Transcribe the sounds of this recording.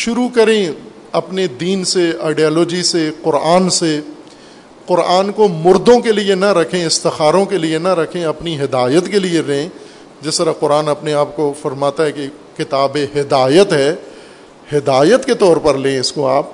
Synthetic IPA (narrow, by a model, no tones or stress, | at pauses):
ʃʊɾukɐɾẽ | ɐpned̪iːnsea̰ːɪɖiaːloːd͡ʒiseqʊɾaːnse | qʊɾaːnkomʊɾd̪õkelienɐɾɐkʰẽɪst̪ɪxaːɾõkelienɐɾɐkʰẽɐpniɦɪd̪aːjət̪kelieɾɐɦẽ | d͡ʒɪst̪əɾaqʊɾaːnɐpneaːp̚kofɐɾmaːt̪aɦɛke | kɪt̪aːbeɦɪd̪aːjət̪ɦɛː | hɪd̪aːjət̪ket̪ɔːɾpɐɾlẽɪskoaːp̚